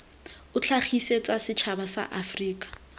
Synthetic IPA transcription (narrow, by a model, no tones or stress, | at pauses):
ʊt͡ɬʰaχiset͡sʼasɪt͡ʃʰabasa̰ʔafriːkʼḁ